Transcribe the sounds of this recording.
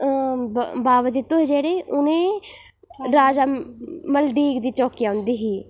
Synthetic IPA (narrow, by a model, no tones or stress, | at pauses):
baːʋəd͡ʒɪt̪ːoːed͡ʒeːɽeːʔʊnẽː | ɾaːd͡ʒaːməlɖiːɡd̪iːt͡ʃɔːkijaːʊ̃nd̪iːɦiː